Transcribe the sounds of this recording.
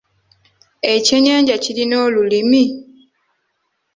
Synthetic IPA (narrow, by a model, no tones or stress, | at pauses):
e̞ceɲaːɲɟacilino̞ːlulimi